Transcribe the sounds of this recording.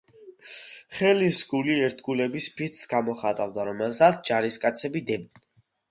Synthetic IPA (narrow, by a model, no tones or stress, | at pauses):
χɛlisɡuliɛɾt̪ʰɡulɛbispʰit̪ssɡ̥amɔχat̪ʼavd̪aɾɔmɛlˠsat̪̚ʰd͡ʒaɾiskʼat̪sʰɛbid̪ɛb̚d̪ni